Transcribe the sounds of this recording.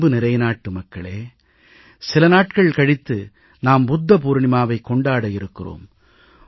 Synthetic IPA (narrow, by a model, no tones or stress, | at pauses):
bɯnɪɾɐɪnaːʈːɯmɐkːɐɭeː | sɪlɐnaːʈkɐɭkɐɽɪt̪ːɯ | naːmbʊd̪ːɐp̬uːɾɳɪmaːʋɐɪkːɔɳɖaːɽɐjɪɾɯkːɪro̰ːm